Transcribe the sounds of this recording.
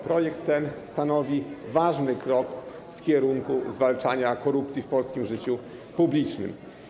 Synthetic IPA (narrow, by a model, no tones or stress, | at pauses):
pɾɔjɛkt̪ːɛnst̪anɔvʲivaʐnɘkɾɔk | fkʲɛɾuŋkuzvalt͡ʂaɲakɔɾupt̪sʲjifpɔlskʲimʐɘt͡ɕu | publʲit͡ʂnɘ̰m